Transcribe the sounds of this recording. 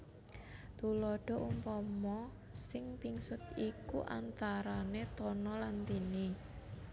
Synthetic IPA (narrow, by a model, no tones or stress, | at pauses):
t̪ulɔɖ̥ɔ̤ʔumpɔmɔ | sɪŋpiŋsʊt̪̚ikuʔa̰nt̪aɾanet̪ɔnɔlant̪ini